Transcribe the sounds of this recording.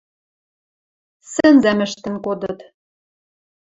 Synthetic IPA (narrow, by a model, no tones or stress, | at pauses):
sɘ̆nzæmɘ̆ʃt̪ɘ̆nkod̪ɤ̆t̪